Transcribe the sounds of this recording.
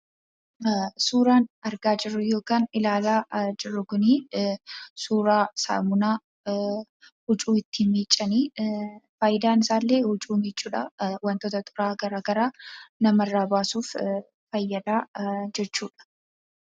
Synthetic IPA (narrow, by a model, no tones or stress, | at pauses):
suːɾaːnɐɾɡaːd͡ʒɪɾːʊjo̞ːkaːnɪlaːlaːd͡ʒɪrːʊɡʊniː | suːɾaːsa̰ːmʊnaː | hʊt͡ʃʼuːɪt̪ːimiːt͡ʃʼːɐniːfajɪd̪aːnɪsaːlːeːhʊt͡ʃʼuːmiːt͡ʃʼːuːᶑɐwɐnt̪oːt̪ɐt̪ʼʊɾaːɡɐɾaːɡɐɾaːnɐmɐrːaːbaːsuːf | fɐjːɐd̪aːd͡ʒɛt͡ʃːuːᶑɐ̥